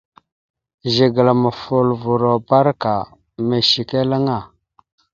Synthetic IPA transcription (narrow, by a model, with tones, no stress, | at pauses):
ʒi˨ɡə˨la˨ma˨fu˨lvu˨ɾo˨ba˦ɾka˨ | me˨ʃi˨ke˦la˦ŋa˦˨